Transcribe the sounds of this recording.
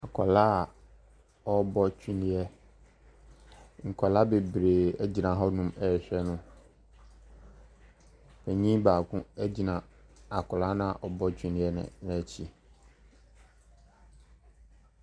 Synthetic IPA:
a˨kʰɔ˨la˦˨ | ɔ˦bɔ˦t͡ɕʰᶣi˦nĩ˦ɛ˦ | ŋ̩˨kʰɔ˨la˦be˨bɾe˨ɛ˦d͡ʑi˨nã˨ɦɔ˦nũ˨mɛ˨ɕᶣɛ˦nʊ̃˦ | pʰɛ˨ɲĩ˦baː˨kʰʊ̃˦æ˦d͡ʑi˨nã˨a˨kʰɔ˨la˦nʊ̃˦a˨ʔɔ˨bɔ˦t͡ɕʰᶣĩ˦nɪ̃˦ɛ˦nɪ̰̃˨nɛ̃˨t͡ɕʰi˦

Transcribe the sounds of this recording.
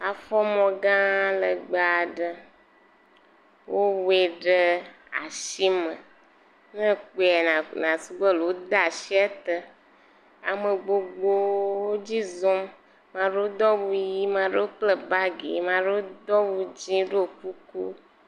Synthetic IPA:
a˨fɔ˦mɔ̃˨ɡã˦lə˨ɡ͡ba˨ɖə˦ | wʔo˦we˨ɖə˦ | a̰˨ʃi˦mə̰̃˨ | nə̃˦k͡po˨ɛ˨n˨nã˨su˦ɡ͡bə˦le˨wo˦d̪a˦˨ʃi˦ɛ˦t̪ə˦ | a̰˨mə˨ɡ͡bo˦ɡ͡bo˦wo˦d͡ʑi˦zo˦m | mã˦ɖə˦wo˦d̪ɔ˦wu˦ji˦mã˦ɖə˦wo˦k͡plə˦ba˦ɡḛ˨mã˦ɖə˦wo˦d̪ɔ˦wu˦d͡ʑĩ˦ɖe˦o˨ku˦ku˦

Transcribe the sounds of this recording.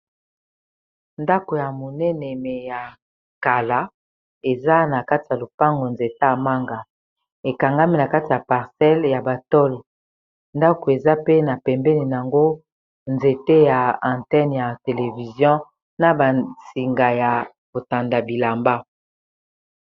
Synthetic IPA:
nda˦ko˨ja˨mo˨nɛ˦nɛ˨mɛ˨ja˨ | ka˨la˦ | e˨za˦na˨ka˦ti˨ja˨lo˨pa˦ŋɡo˨nze˨ta˦a˨ma˦ŋɡa˨ | e˨ka˨ŋɡa˦mi˦na˨ka˦ti˨ja˨pa˨ʁsɛ˦lja˨ba˨tɔ˦l | nda˦ko˨e˨za˦pe˦na˨pɛ˨mbɛ˦ne˨n˨a˨ŋɡo˦ | nze˨te˦ja˨ã˨tɛ˦nja˨te˨le˨vi˨zjɔ̃˦ | na˨ba˨si˨ŋɡa˨ja˨ | bo˨ta˨nda˨bi˨la˨mba˦

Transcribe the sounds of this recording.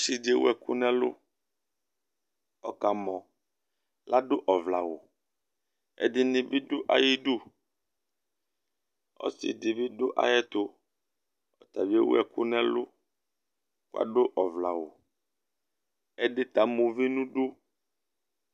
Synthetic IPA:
si˦de˦wo̰˦ɛ˨ku˦nɛ̃˦lo̰˦ | ɔ˨ka˨mɔ̃˨ | la˦ɖo˦ʔɔ˨vla˨wo˨ | ḛ˦di˦nĩ˨bi˦ɖo˦ʔa̰˨ji˦ɖu˦ | ɔ̰˦sḭ˨di˨bi˦ɖo˦ʔa̰˨jɛ˦t̪o˦ | ɔ˨t̪a˨vi˦e˦wṵ˦ɛ˨ku˦nɛ̃˦lo̰˦ | ku˦a̰˦ɖo˦ʔɔ˨vla˨wo˨ | ɛ˦ɖe˦t̪a˨mo˨vi˦nũ˦ɖu˦

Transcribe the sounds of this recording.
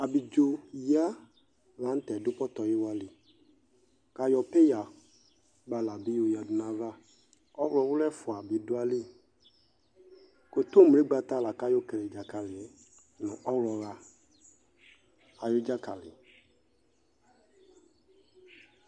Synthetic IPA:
a˨bi˨d͡ʒo˨ja˦ | va˦n̩˦t̪ɛ˨dʊ˦pɔ˦t̪ɔ˨ji˦wa˦lɪ˨ | ka˨jɔ˨pe˦ja˨ | ba˨la˨bi˦jo˦ja˨dʊ˨nã˦va˦˨ | ɔ˦wɔ˨wʊ˦lɛ˦fʊ˨a˨bi˨dʊ˦a˦li˦˨ | ko˨t̪o˦˨m˨e˦ɡ͡ba˦t̪a˦˨la˨ka˦jo˦ke˨le˨d͡ʒa˨ka˨lɪ˨ɛ˨ | nɛ̃˨ʔɔ˦wlɔ˨va˨ | a˨jo˦d͡ʒa˦ka˨lɪ̰˨

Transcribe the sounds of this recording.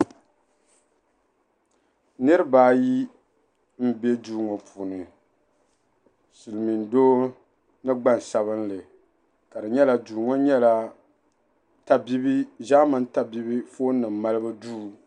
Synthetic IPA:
nɨ˦ɾɨ˦baː˦ji˦ | m̩˦bɛ˦duː˦ŋɔ˨pʰu˨nɨ˨ | sɨ˨lɨ˨mi˨ndoː˦ | nɨ˦ɡ͡ba˦n˨sa˨βɨ˦n˦lɨ˨ | ka˨dɨ˨ɲɛ˦la˨duː˨ŋɔ˦ɲɛ˦la˨ | ta˦bi˦bi˦ʒa˦ma˨n˦ta˦bi˦bi˦foː˦nɨ˨m̩ːa˦lɨ˦bɨ˦duː˦˨

